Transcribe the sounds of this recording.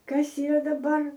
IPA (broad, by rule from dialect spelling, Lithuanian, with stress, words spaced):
ˈkɐs iːˈrɐ dɐˈbɐr